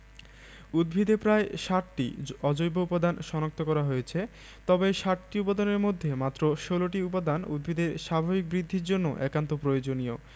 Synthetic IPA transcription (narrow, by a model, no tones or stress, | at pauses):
ud̪̚bʱid̪ʱepɾaeʃaʈʈiɔd͡ʑojboupod̪anʃɔnak̚t̪okɔɾaɦojet͡ɕʰe | t̪ɔbeʃaʈʈiupod̪aneɾmod̪ʱːemat̪ːɾoʃoloʈiupod̪anṵd̪̚bʱid̪ʱeɾʃabʱabik̚bɾid̪ʱːiɾd͡ʑonːo̰ʔɛkant̪opɾojod͡ʑonio